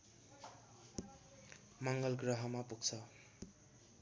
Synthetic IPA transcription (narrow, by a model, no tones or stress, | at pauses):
mʌŋɡʌlɡɾʌɦʌmapuɡt͡sʰʌ